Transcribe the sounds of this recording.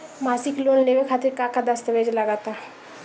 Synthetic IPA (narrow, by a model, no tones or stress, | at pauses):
maːsɪkloːnleːʋekʰaːt̪ɪɾkakad̪əst̪əʋeːd͡ʒləɡaːt̪a